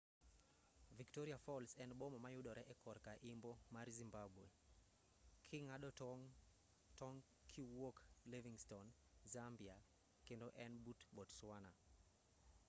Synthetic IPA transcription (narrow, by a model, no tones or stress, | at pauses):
viktɔɾiafɔlsɛnbɔmɔmajuɗɔɾɛʔɛkɔɾkaʔimbɔmaɾzimbabwe | kʰiŋaɗɔŋ | tɔŋ | kʰiwɔkleviŋstɔn | zambia | kendoʔɛnbutɓɔtswana